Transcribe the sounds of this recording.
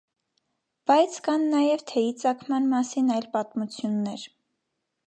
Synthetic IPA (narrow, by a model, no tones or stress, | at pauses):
b̥ɑjt͡sʰkɑnːɑjɛvt̪ʰɛit͡sɑkʰmɑnmɑsinɑjlpɑt̪mut͡sʰjunːɛɾ